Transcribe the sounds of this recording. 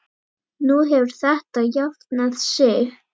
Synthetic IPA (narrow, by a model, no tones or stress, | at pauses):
nuɦɛvʏɾ̥θɛht̪ajaft̪naðsɛː